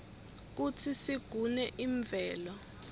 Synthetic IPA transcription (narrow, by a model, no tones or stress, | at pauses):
k̬utʰisiɡ̥ʱunɛʔiɱb̪vɛːlɔ